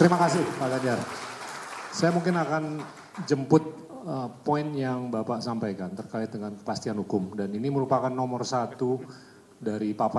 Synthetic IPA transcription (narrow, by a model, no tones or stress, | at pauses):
t̪əɾimakasɪhpaɡaɲd͡ʒar | sajamuŋkɪnakan | d͡ʒəmpʊt̪̚ | əpoɪnjaŋbapaʔsampajkant̪ərkaɪt̪̚dəŋankə̥past̪ianhukʊmdaniniməɾupakanːomərsat̪u | daɾipapa